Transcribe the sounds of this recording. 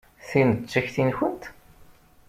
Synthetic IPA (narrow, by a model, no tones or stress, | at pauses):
θinət͡sːæçθinçənt̪